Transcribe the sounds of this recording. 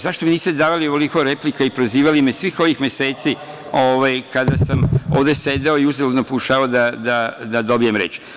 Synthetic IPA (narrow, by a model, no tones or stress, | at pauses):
zaʃt̪o̞miniːst̪ed̪aːʋalioolikoɾe̞plikaipɾoziːʋalime̞sʋiːxo̞ʋixmjese̞ːt̪si | o̞ʋajkad̪asamoːʋd̪e̞se̞d̪eo̞iuzeloznopokuʃaːaod̪ad̪ad̪ad̪o̞bijemɾe̞̰t͡ʃ